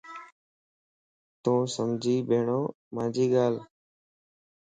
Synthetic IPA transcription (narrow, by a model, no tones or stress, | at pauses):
t̪õːsəmd͡ʒʱiːɓeːɳoː | mãːd͡ʒiːɠaːl